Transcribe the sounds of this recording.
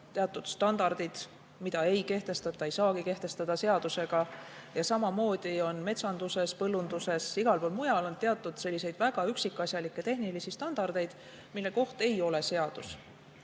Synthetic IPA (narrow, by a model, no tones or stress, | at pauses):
t̪e̞ɑt̪ːˑud̪̥st̪ɑnd̪̥ɑrd̪̥id̪̥ | mid̪̥ɑe̞jke̞ht̪e̞st̪ɑt̪ːˑɑejsɑːkike̞ht̪e̞st̪ɑd̪̥ɑse̞ɑd̪use̞ɡ̥ɑjɑsɑmɑmo̞ːd̪̥io̞nme̞t̪sɑnd̪̥use̞spɤlːund̪use̞siɡ̥ɑlpoːlmujɑlo̞nt̪eɑt̪ːˑud̪̥se̞lʲːise̞jd̪̥væɡ̥ɑyksikːˑɑsjɑlikˑːe̞t̪e̞ɦnilisist̪ɑnd̪̥ɑrd̪̥e̞jd̪̥ | milːe̞ko̞ht̪e̞jo̞le̞se̞ɑd̪̥us